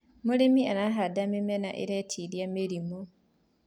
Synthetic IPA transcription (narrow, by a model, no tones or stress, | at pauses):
mulemianaɦadamemena̰ʔḛɾetʰiljameɾimo